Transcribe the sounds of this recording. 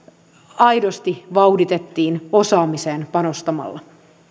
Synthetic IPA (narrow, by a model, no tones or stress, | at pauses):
ɑjdo̞st̪iʋɑwdit̪et̪ːiːnosɑːmiseːnpɑno̞st̪ɑmɑ̰lːɑ